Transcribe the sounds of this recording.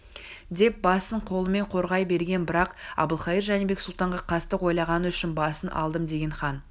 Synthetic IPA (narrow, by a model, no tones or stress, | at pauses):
d̪e̞p̚bɑsəɴqʰo̞lˠəme̞ɴqʰo̞ɾʁɑjbe̞ɾɡʲe̞nbɪɾɑqɑ̰bəlˠχɑjiɾʒænebe̞ksʊlˠt̪ɑɴʁɑqʰɑst̪əqwo̞jlˠɑʁɑnəʏʃɪnbɑsənʔɑ̰lˠd̪əmd̪e̞ɡʲe̞ɴχɑn